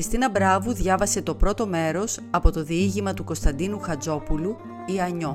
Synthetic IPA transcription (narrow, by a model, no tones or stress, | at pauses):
ɾist̪inɐbɾɐvuðʝɐvɐse̞t̪o̞pɾo̞t̪o̞me̞ɾo̞sɐpo̞t̪o̞ðiiʝimɐt̪uko̞st̪ɐnd̪inuxɐd͡zo̞pulu | iɐɲo̞